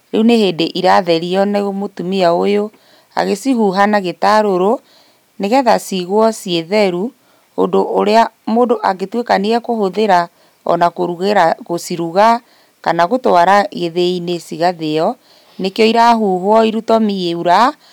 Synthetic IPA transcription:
ɾeuneheːdeʔiɾaðɛɾiɔnaɣomotumiaojo | a̰ɣesiɦuɦanaɣetaɾoɾo | neɣɛðasiɣwɔsieðɛɾu | o̰ndoʔoɾeamoːdoʔaɣetwekaneɣɛkohoðeɾa | ɔ̰nakoɾuɣeɾaɣosiɾuɣa | kanaɣotoaɾaɣeðeinesiɣaðeɔ | nekeɔiɾaɦuːɦwɔiɾutɔmieuɾa

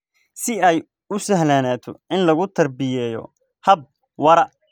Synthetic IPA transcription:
sɪɛj | ʊsɐɦlaːnaːt̪ʰɔ̰ʔɪnlɐɣʊt̪ʰɐrbɪjɛːjɔ̰ | hɐb̚ | wɐɾɐ

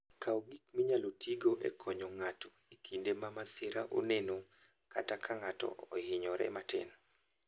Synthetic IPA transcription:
kaoɡikmiɲalotʰiɡoʔḛkʰɔɲɔŋatɔ | ikʰindemamasɪɾaʔo̰neno | katakʰaŋatɔ̰ohɪɲɔɾɛ̰matɪ̰n

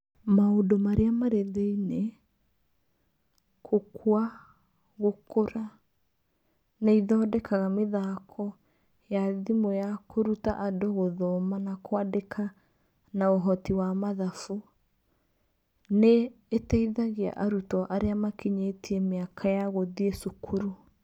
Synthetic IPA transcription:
maodomaɾeamaɾeðeine | kʰokʰwa | ɣokoɾa | neiðɔːdɛkaɣameðakʰɔ | jaðimojakoɾutaʔadoɣoðɔmanakwadekʰa | naoɦɔtiwamaðafu | neː | tɛiðaɣea̰ʔaɾutɔʔaɾeamakiɲetiɛmeakʰajaɣoðiesukʰuɾu

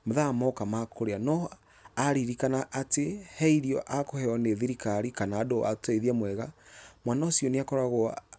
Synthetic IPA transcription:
moðamɔkamakʰoɾeanɔ | aɾiɾikanaʔːtehɛiɾiɔʔakohɛɔneðiɾikaɾikanaːdoa̰teðiamwɛɣamwanaosijɔneakɔɾaɣo

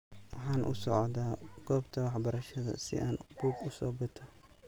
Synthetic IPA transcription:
wɑħɑːnʔʊ̰sɔʕɔd̪aːɡ̥ɔːbt̪ʰɐwɑħbɐɾɐʃɐðɐ̰sɪ̰ʔaːnbuːɡʊsɔːbɪt̪ʰɐ

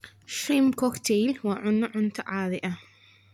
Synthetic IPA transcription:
ʃimkʰɔkt̪ʰɛlwɑːʕʊnːɐʕʊnt̪ʰɐʕaːðɪʔɐ

